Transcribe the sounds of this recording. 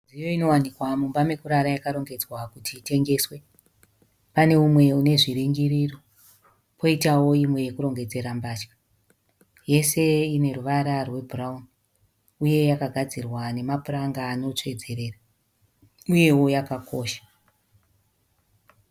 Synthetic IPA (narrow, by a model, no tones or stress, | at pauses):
ijo̞ino̞wanikwamumbame̞kuɾaɾajakaɾo̞ŋɡe̞d͡zwakutʰiːte̞ŋɡe̞ːswe̞ | pane̞umwe̞une̞ʐiɾiŋɡiriro | pʰo̞itawo̞imwe̞jekuɾo̞ŋɡe̞d͡ze̞ɾambaːt͡ʃkḁ | je̞se̞ine̞ruʋaɾarwe̞bʱuraun | uje̞jakaɡʱad͡zirwane̞mapuraŋɡaːno̞t͡ʂe̞d͡ze̞ɾe̞ːra | uje̞wo̞jakako̰ːʃḁ